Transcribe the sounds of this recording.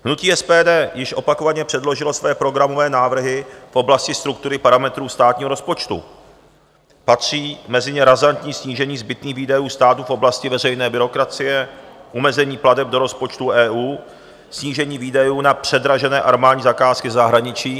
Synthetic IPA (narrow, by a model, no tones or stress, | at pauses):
ɦnuciːʔɛspɛːdɛːjɪʃʔo̞pako̞vaɲɛpr̥ɛdlo̞ʒɪlo̞svɛjɛpɾo̞ɡɾamo̞vɛːnaːvr̩ɦɪfʔo̞blascɪst̪ɾukt̪uɾɪpaɾamɛt̪ɾuːst̪aːt̪̚ɲiːɦoɾo̞spo̞t͡ʃt̪ṵ | pat̪r̝̥iːmɛzɪɲɛɾazant̪ɲiːsɲiːʒɛɲiːzbɪt̪niːɣviːdajuːst̪aːt̪ufʔo̞blascɪvɛrɛjnɛːbɪɾo̞kɾat͡sɪjɛʔumɛzɛɲiːpladɛb̚do̞ɾo̞spo̞t͡ʃt̪uʔɛːʔuː | sɲiːʒɛɲiːviːdajuːnapr̝̥ɛdɾaʒɛnɛːʔaɾmaːdɲiːzakaːskɪzaɦɾaɲɪt͡ʃiː